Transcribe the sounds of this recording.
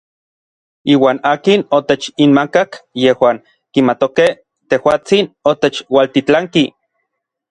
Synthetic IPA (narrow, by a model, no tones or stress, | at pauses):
iːwaːnaːkinot̪et͡ʃinmakakjehwaːŋ | kimat̪okeh | t̪ehwaːt͡sinot̪et͡ʃwalt̪it͡ɬaŋki